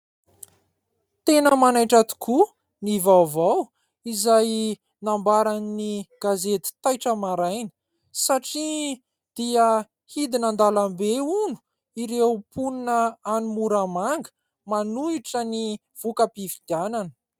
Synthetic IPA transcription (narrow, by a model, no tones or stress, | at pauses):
t̪enəmanajʈ͡ʂat̪u̥kʰu | nivawvaw | izaj | nambaɾaniniɡ̥azet̪i̥t̪ajʈ͡ʂəmaɾajnə̥ | saʈ͡ʂi | d̪̥iə | hid̪inand̪alambeunu̥ | iɾewpuninəanumuɾamaŋɡə̥ | manuiʈ͡ʂəni | v̥ukəpivid̪̥iananə̥